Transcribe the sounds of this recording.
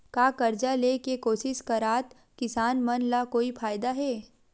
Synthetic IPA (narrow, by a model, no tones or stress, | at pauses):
kaːkɐɾd͡ʒaleːkekoːsɪʃkaɾaːt̪ | kɪsaːnmɐnlakoːipʰaːjd̪aɦɛː